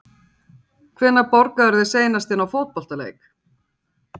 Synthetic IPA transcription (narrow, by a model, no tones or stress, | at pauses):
kʰvɛnːapɔɾkaɛɾðɪseːjnast̪ɪnawfowt̪̚pɔl̥t̪alḛːjk